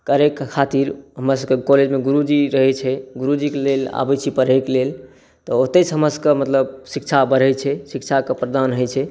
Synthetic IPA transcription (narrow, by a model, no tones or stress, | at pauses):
kəɾekːkʰːat̪iɾɦəmɾasəekɔled͡ʒmeɡuɾud͡ʒiɾəɦɛt͡ʃʰɛɡuɾud͡ʒikelela̰bɛt͡ʃʰipəɾɦɛklel | t̪ɔot̪et͡ʃʰɦəməsəkemət̪ləbsikt͡ʃʰabəɾɛt͡ʃʰɛsik̚t͡ʃʰakepɾəd̪anɦəjt͡ʃʰɛ